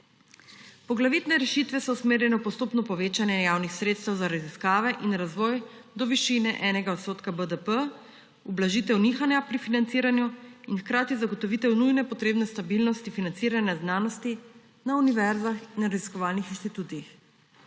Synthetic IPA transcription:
pɔɡlaʋiːt̪nɛɾɛʃit̪ʋɛsɔusmeːɾjɛnɛpɔst̪oːpnɔpɔʋeːt͡ʃanjɛjaːwnixsɾeːt̪st̪ɛwzaɾaziskaːʋɛʔinɾazʋɔːj | d̪ɔʋiʃinɛʔɛːnɛɡaɔt̪soːt̪kabəd̪əpə | ublaʒiːt̪ɛwnixanjapɾifinant̪siːɾanjuinxkɾaːt̪izaɡɔt̪ɔʋit̪ɛwnujnɛpɔt̪ɾeːbnɛst̪abilnɔst̪ifinant̪siːɾanjaznaːnɔst̪i | nauniʋɛɾzaxinɾaziskɔʋaːlnixinʃt̪it̪uːt̪iix

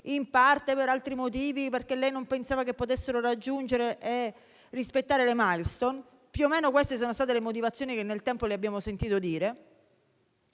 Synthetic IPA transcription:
impart̪epeɾalt̪ɾimot̪̬iːviperk̟elːɛjnompensaːvakepːot̪esːeɾorad͡ʒːund͡ʒeɾeʔe | rispet̪ːaːɾelemajlst̪on | pjuomːeːnokwest̪es̬oːnost̪at̪elemot̪̬ivat̪sjoːnikenːelt̪ɛmpoleabjaːmosent̪iːt̪od̪iːɾe

